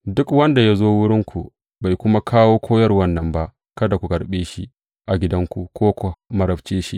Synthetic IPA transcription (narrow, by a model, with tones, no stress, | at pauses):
dʊ˦kwɐ˦nda˨ja˦zoː˦wʊ˦ɽɪ˦ŋkʷu˨ | ba˨jkʷʊ˦ma˦kʰaː˦woː˦kʷʰoː˦jɐ˦rwɐ˦nːɐ˨mba˦ʔ | kɐ˦da˨kʷu˨kɐ˨ɽɓeː˦ʃi˦ | ʔa˨ɡʲɪ˦dɐ˦ŋkʷu˨kʷoː˦kʷa˨mɐ˨ɾɐ˨bt͡ʃeː˦ʃi˦ʔ